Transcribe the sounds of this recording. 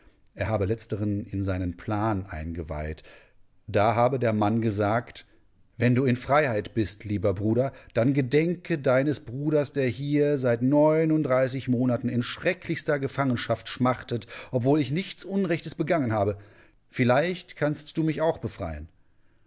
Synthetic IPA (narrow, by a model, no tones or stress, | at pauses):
ʔeːɐɦaːbəlɛt͡stəʁənɪnzaɪnənpʰl̥aːnʔa̰ɪnɡəva̰ɪt | d̥aːɦaːbədeːɐmanɡəzaːkt | vɛnduːɪnfʁ̥aɪhaɪtb̥ɪstʰliːbɐbʁuːɾɐd̥anɡədɛŋkʰədaɪnəsb̥ʁuːɾɐsd̥eːɐhiːɐzaɪtnɔʏnʊntd̥ʁaɪsɪçmoːnatn̩ɪnʃʁ̥ɛkʰlɪçstɐɡəfaŋənʃaftʃmaʁtətʔɔpv̥oːlɪçnɪçt͡sʔʊnʁɛçtəsb̥əɡaŋənhaːbə | fɪlaɪçtkʰanstd̥uːmɪçaʊxb̥əfʁ̥a̰ɪən